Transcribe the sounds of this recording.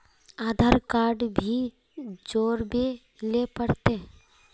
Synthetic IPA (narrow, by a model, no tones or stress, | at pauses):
aːd̪ʱaɾkaːɾɖbʱi | d͡ʒoːɾbe | lepəɽt̪e